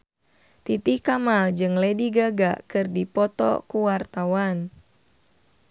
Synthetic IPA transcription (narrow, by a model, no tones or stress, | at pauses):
t̪it̪ikamald͡ʒɨŋlediɡaɡakɨrdipɔt̪ɔ̰kuwart̪awan